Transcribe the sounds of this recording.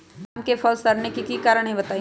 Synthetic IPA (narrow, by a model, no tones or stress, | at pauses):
mkefɐlsɐɾnekikiːkaːɾəɽ̃ɦĩbɐt̪aː